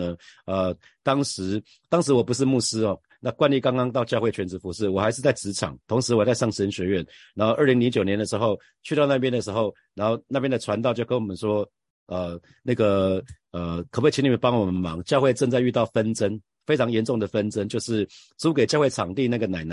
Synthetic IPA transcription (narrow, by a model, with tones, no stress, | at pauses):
ə˨˩ | t̪ɑ˥ŋʂɻ̩˧˥ | t̪ɑ˥ŋʂɻ̩˧˥wɔ˨˩p̬u˧˦ʂ̬ɻ̩˥˧mu˥˩sɹ̩˥ɔ˨˩ | na˥˧kwa˥nli˥˩kɑ˥ŋkɑ˥ŋt̪ɑ˥˧ʊt͡ɕjɑ˥˧ʊwe˥˩ɪt͡ɕʰɥɛ˧˥nt͡s̩˧˥fu˧˥ʂɻ̩˥˩wɔ˨˩xa˧˥ɪʂɻ̩˥˧t͡sa˥˩ɪt͡sɹ̩˧˥ʈ͡ʂʰɑ̰˨˩˦ŋt̪ʰo˧˥ŋʂɻ̩˧˥wɔ˨˩t͡sa˥˧ɪʂɑ˥˩ŋɕə˧˥nɕɥɛ˧˥ɥɛ˥˩nna˧˥nxo˥˧ə˥˩li˧˥ŋli˧˥ŋt͡ɕjo˨˩njɛ˧˥nd̪ə˨˩ʂɻ̩˧˥xo˥˧ʊ | t͡ɕʰy˥˧t̪ɑ˥˧ʊna˥˩pjɛ˥nd̪ə˨˩ʂɻ̩˧˥xo˥˩ʊ | na˧˥nxo˥˧ʊna˥˩p̬jɛ˥nd̪ə˨ʈ͡ʂʰwa˧˥nt̪ɑ˥ʊt͡ɕjo˥˩ʊkə˥nwɔ˨˩mə˦nʂwɔ˥ | ə˨˩ | na˥˩ɡə˩ | ə˩kʰə˨˩we˥˩i˧˥ni˨˩m˥˩pɑ˥ŋwɔ˨˩mə˦nmɑ˧˥˦ŋt͡ɕjɑ˥˧ʊxwe˥˧ɪʈ͡ʂə˥˧ŋt͡sa˥˧ɪy˥˧t̪ɑ˥˩ʊfə˦˥nt͡sə˦n | fe˥ɪʈ͡ʂʰɑ˧˦ŋjɛ˧˦nʈ͡ʂʊ˥˩ŋd̪ə˩fə˦nt͡sə˦nt͡ɕjo˥˧ʊʂɻ̩˥˩ | t͡su˥ke˨˩ɪt͡ɕjxwe˥˩ɪʈ͡ʂʰɑ˨˩ŋt̪i˥˧na˥˩ɡə˩na˨˩ɪna˨˦